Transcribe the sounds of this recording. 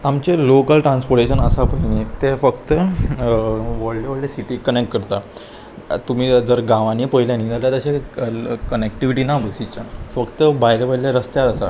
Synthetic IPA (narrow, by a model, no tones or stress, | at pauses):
amt͡ɕelokəlʈɾãnspoɾʈeɕənəsapənet̪efəkt̪ə | ʋəɽleʋəɽlesiʈiːkənek̚ʈ̚kəɾt̪a | t̪um̤iːd͡zəɾɡãʋanipəiljanid͡zaljat̪əɕe | kənekʈiʋiʈiːnabəsit͡ɕafəkt̪əbajlebaileɾəst̪jaɾəsa̰